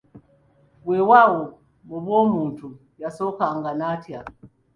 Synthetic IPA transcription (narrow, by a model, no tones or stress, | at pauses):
wɛwawɔ | muβwɔmuntu | jasɔkaŋɡanatja